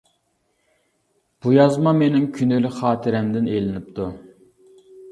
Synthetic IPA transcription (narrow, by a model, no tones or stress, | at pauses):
b̥ujɑzmɑmenɪmkʲʰynylɪχɑːt̪ʰɪɾɛmd̪ɪnelɪnɪp̚t̪ʰu